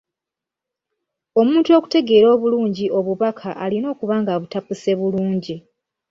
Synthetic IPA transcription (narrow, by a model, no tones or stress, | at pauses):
o̞muːntuo̞ku̥te̞ɡe̞ːɾo̞ːβuluːɲɟiʔo̞βuβakʰaʔalino̞ːkuβaːŋɡaβutapuse̞βuluːɲɟi